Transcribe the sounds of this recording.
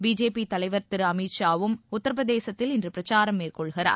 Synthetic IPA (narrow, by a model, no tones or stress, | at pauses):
biːd͡ʒeːpit̪ɐlɐɪʋɐɾt̪ɪɾɯɐmiʈʃaːʋɯmʊt̪ːɐɾɐʋɐðeːsɐt̪ːɪlɪndrɯpɪɾɐt͡ʃaːɾɐmːeːrkɔɭɣɪɾa̰ː